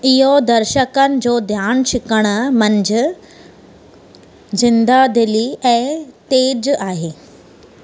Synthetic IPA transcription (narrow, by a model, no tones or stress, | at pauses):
ɪɦod̪ɐɾʃəkənɪ̆d͡ʑoːd̪ʱjaːnʃɪkəɽ̃əmə̃ɲd͡ʑə | zɪnd̪ad̪ɪliɛ̃ːt̪eːd͡ʑaːɦeː